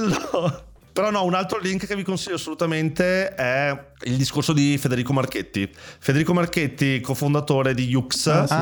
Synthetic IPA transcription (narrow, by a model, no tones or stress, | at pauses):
lːo | peɾɔnːɔunalt̪ɾoliŋkkevikonsiʎːasːolut̪ament̪eɛ | ild̪iskorsod̪ifed̪eɾiːkomarket̪ːifed̪eɾiːkomarket̪ːikofond̪at̪oːɾed̪ijuks